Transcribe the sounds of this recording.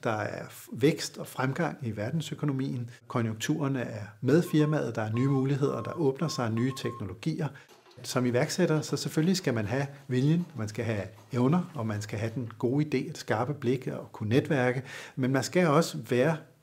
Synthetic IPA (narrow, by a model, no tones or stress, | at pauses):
d̥ɑ̈æɐ | ʋeɡ̥sd̥ɒ̽fʁamɡ̥ɑ̈ŋ̰iʋæɐd̥n̩søkʰo̝no̝mḭːn̩kʰɒ̽njo̝ŋt͡sʰṵːɐnəæɐmeð̞ˠfiɐmæð̩ˠd̥ɑ̈æɐnyːmuːliɦe̝ð̞̰ˠɐd̥ɑ̈ʔɔ̽ːb̥nɐsɑ̈ɪnyːt͡sʰeɡ̥no̝lo̝ɡ̥ḭːɐ | sɒ̽miʋæɐɡ̥seɾ̥ɐsɒ̽seføllisɡ̥æmænɦæʋiljənmænsɡ̥æɦæ | eʊnɐɒ̽mænsɡ̥æɦæd̥enɡ̥o̝ːid̥e̝̰ːed̥sɡ̥ɑ̈ːb̥əb̥le̝ɡ̥ɒkʰuned̥ʋæɐɡ̥əmenmænsɡ̥æɒ̽səʋæːɐ